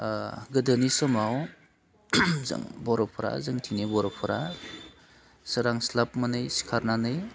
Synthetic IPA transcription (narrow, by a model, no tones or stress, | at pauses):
ɡɯdɯnisɔmaw | zɯ̰ŋbɔɾɔpʰɔɾa̰zɯŋtʰinibɔɾɔpʰɔɾa | sɯɾaŋslap̚manɯjsi̥kʰaɾnanɯj